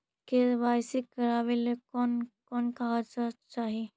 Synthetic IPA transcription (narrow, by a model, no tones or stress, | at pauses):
keʋaːjsikɐɾaːʋelekɔːnkɔːnkaɦat͡ʃat͡ʃaːɦie